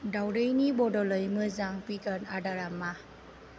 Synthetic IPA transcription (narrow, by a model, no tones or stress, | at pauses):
dawɾejnibɔdɔlɯjmɯzaŋpikanadaɾamːa